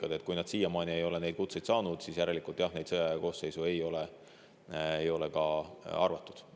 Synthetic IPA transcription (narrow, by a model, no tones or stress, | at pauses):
kɑd̪e̞t̪ːˑkujnɑd̪siːjːɑmɑːnʲie̞jo̞le̞ne̞jd̪̥kut̪sejd̪sɑːnud̪̥siːsjæɾelikult̪ːˑjɑhnejd̪sɤjɑjɑko̞ːsse̞jsue̞jo̞le | ejo̞le̞kɑɑrvɑt̪ːˑud̪̥